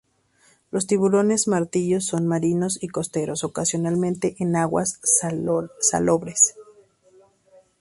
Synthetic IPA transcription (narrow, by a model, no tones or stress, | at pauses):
lo̞st̪iβulo̞ne̞zmaɾt̪iʝo̞sːo̞nmaɾino̞siko̞st̪e̞ɾo̞so̞kasjo̞nalmẽ̞nt̪e̞ʔenaɣwa̰s | sa̰lo̞βɾes